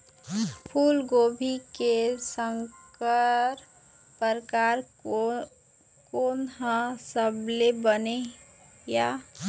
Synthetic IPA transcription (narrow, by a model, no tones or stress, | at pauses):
pʰuːlɡobʱikesəŋkəɾ | pəɾkaɾ | konɦə̃səblebəneja